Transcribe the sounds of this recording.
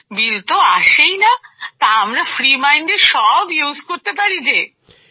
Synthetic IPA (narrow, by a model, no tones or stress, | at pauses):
bilt̪oaʃejnat̪aamɾafɾimajɳɖeʃɔbjuzkoɾt̪epaɾid͡ʑe